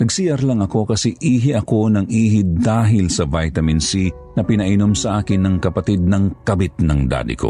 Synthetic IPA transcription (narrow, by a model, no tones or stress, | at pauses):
nɐɡsiːjɐɾlɐŋɐko̞kɐsɛʔiːɦɪʔɐko̞nɐŋʔiːɦɪd̪aːɦɪlsɐvajt̪ɐmɪnsi | nɐpɪnɐʔɪnomsɐʔaːkɪnːɐŋkɐpɐt̪id̪̚nɐŋkɐbɪt̪̚nɐŋd̪a̰ːd̪ɪ̰kʰo̰